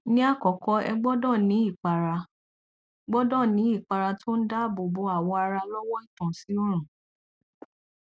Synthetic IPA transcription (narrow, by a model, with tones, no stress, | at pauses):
nĩ˦a˦˨kɔ˨kɔ˧ɛ˧ɡ͡bɔ˦dɔ̃˦˨nĩ˨˦i˦˨k͡pa˨ɾa˧ | ɡ͡bɔ˦dɔ̃˦˨nĩ˨˦i˦˨k͡pa˧ɾa˧tʰo˦n̩˦da˦bo˨bo˧˦a˦˨wɔ˧a˧ɾa˧lɔ˦wɔ˦i˦˨tã˨si˨˦o˦ɾ̃ũ˨